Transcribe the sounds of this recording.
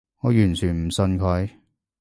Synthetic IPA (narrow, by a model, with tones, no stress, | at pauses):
ŋɔː˨˧jyː˨˩nt͡ʃʰyː˨˩nm̩˨˩sɵ˧nkʰɵ˨˧˥j